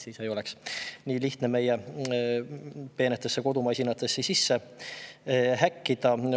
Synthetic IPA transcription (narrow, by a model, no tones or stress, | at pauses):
siːsejo̞le̞ksniːliht̪ne̞me̞je | pe̞ːnet̪ˑːe̞sːeko̞d̪umɑjsʲinɑt̪ːˑe̞sːesisːe̞ | hækːid̪̥ɑ